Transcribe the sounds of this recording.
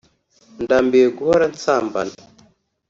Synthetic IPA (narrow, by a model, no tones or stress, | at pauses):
ndambeɡuaɾant͡samba̰n